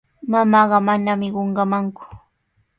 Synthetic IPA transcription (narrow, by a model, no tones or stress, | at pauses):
mamɑːɢɑmanamɪɢoɴɢɑmaŋkʊ̥